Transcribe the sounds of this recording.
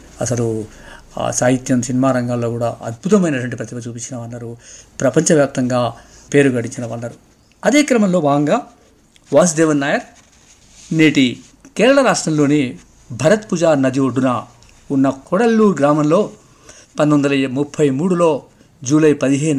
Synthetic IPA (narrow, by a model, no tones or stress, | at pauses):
ɐsɐlṵ | saːɦit̪jɐmsinimaːɾɐŋɡaːlːo̞ːkuːɽaːɐ̰d̪̚bʱut̪ɐmɐjnɐtʈʋɐɳʈipɾɐt̪imɐt͡ʃuːpiɲt͡ʃːinɐʋɐnːaːɾupɾɐpɐɲt͡ʃɐʋjaːp̚t̪ɐŋɡaː | pe̞ːɾuɡɐɽiɲt͡ʃːinɐʋɐnːaːɾu | ɐd̪e̞ːkɾɐmɐmlo̞ːbaːɐŋɡaː | ʋaːs̬d̪eːʋɐnːaːjɐɾ | neːʈi | kɛːɾɐɭɐɾaːʂʈɾɐmlo̞ːni | bʱɐɾɐt̪puːd͡ʒaːɾnɐd̪iʋoɖːunɐ | unːɐkɔɽɐlːuːɾɡɾaːmɐmlo̞ː | pɐnd̪ʋond̪ɐlɐmupʰːɐjmuːɽulo̞ː | d͡ʒuːlɐjpɐd̪iɦeː